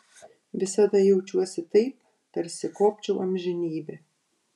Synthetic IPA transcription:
ʋʲɪsɐd̪ɐjɛʊt͡ʃʲuɔsʲɪt̪ɐɪp | t̪ɐɾʲsʲɪkoːpʲt͡ʃʲɛʊʔɐmʲʒʲɪnʲiːbʲɛ

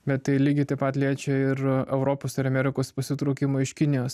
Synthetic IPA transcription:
bʲɛt̪t̪ɐɪlʲiːɡʲɪt̪ɐɪpɐt̪lʲiɛt͡ʃʲɛɪɾɛʊɾoːpoːsɪɾɐmʲɛɾʲɪkoːspɐsʲɪt̪ɾoʊkʲɪmoːɪʃkʲɪnʲɪjoːs

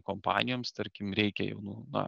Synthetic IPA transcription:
kompɑ̰ːnʲɪjoːmst̪ɐɾʲkʲɪmɾʲɛɪkʲɛjɛ̰ʊnunɐ̰

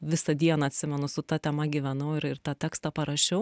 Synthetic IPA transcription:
ʋʲɪsɐd̪ʲiɛnɐɐt̪ʲsʲɪmʲɛnʊsʊt̪ɐt̪ʲɛmɐɡʲɪʋʲɛnɐʊɪɾɪɾt̪ɑt̪ʲæːkst̪ɐpɐɾɐʃʲɛʊ

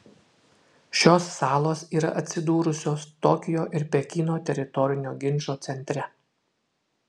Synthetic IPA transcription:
ʃʲoːsːɑːlˠoːsiːɾɐ̰ʔɐt̪ʲsʲɪd̪uːɾʊsʲoːst̪ɔkʲɪjoːʔɪɾpʲɛkʲɪːnoːt̪ʲɛɾʲɪt̪ɔɾʲɪnʲoːɡʲɪnʲˑʃoːt̪sʲɛnʲt̪ʲɾʲɛ

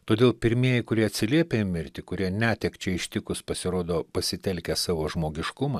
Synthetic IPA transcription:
t̪oːd̪ʲeːlˠpʲɪɾʲmʲiɛjɪkʊɾʲiɛɐt̪ʲsʲɪlʲiɛpʲemʲɪɾʲt̪ʲɪkʊɾʲiɛnʲæːt̪ʲɛkt͡ʃʲɛɪʃʲt̪ʲɪkʊspɐsʲɪɾoːd̪oːpɐsʲɪt̪ʲɛlʲkʲɛsɑːʋoːʒmoːɡʲɪʃkʊmɑ

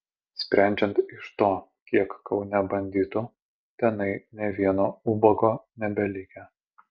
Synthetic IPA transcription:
sʲpʲɾʲæˑnʲd͡ʒʲɛnt̪ɪʃt̪oː | kʲiɛkkɒʊnʲɛbɐnʲd̪ʲiːt̪ʊ | t̪ʲɛnɐɪnʲɛʋʲiɛnoːubɔɡoːnʲɛbʲɛlʲɪkʲɛ

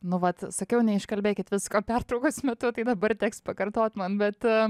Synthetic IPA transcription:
nʊʋɐt̪sɐkʲɛʊnʲɛɪʃkɐlʲbʲeːkʲɪt̪ʋʲɪskoːpʲært̪ɾɐʊkosmʲɛt̪ʊt̪ɐɪd̪ɐbɐrt̪ʲæːkspɐkɐrt̪oːt̪mɐnbʲɛt̪

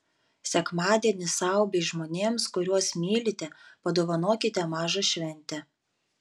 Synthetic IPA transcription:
sʲɛkmɑːd̪ʲiɛnʲɪsɑˑʊbʲeʒmoːnʲeːmskʊɾʲuɔsmʲiːlʲɪt̪ʲɛpɐd̪oːʋɐnoːkʲɪt̪ʲɛmɑːʒɐʃʲʋʲɛnʲt̪ʲɛ

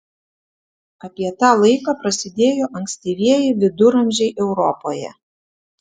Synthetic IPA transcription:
ɐpʲiɛt̪ɑːlˠɐɪkɑːpɾɐsʲɪd̪ʲeːjoːʔɐŋʲksʲt̪ʲiːʋʲiɛjɪʋʲɪd̪ʊɾɐmʲʒʲɛɪʔɛʊɾɔpoːjɛ̰

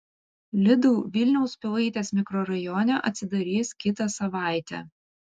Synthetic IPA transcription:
lʲɪd̪uːʋʲɪlʲnʲɛʊspʲɪlˠɐɪt̪ʲeːsmʲɪkɾɔːɾɐjɔnʲɛʔɐ̰t̪sʲɪd̪ɐɾʲiːskʲɪt̪ɐsɐʋɑˑɪt̪ʲɛ̰ː

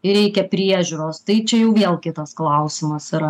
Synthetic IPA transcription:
ɪɾʲɛɪkʲɛpʲɾʲiɛʒʲʊːɾoːst̪ɐɪt͡ʃʲɛjɛʊʋʲeːlˠkʲɪt̪ɐsklˠɐʊsʲɪmɐsɪɾɐ

